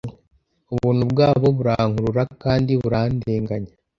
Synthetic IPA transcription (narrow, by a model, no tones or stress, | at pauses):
uβuːn̤ubɡaːβo̞βuɾaŋhuɾuɾakaːndiβuɾandeːŋɡaɲa